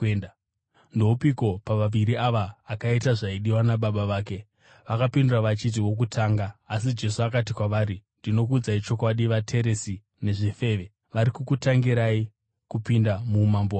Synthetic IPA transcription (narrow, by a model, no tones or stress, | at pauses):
n | ndo̞upiko̞paʋaʋiɾiaʋaːkaitaʐaiɗiwanaɓaɓaʋaːke̞ | ʋakapinduraʋat͡ʃit̬iwo̞k̬utʰaːŋɡaːsid͡ʒe̞suakat̬ikwaʋaːɾindino̞k̬ud͡zait͡ʃo̞kwaɗiʋatʰe̞ɾe̞si | ne̞ʐife̞ːʋe̞ | ʋaɾikukutaŋɡiɾai | kupindamumambowa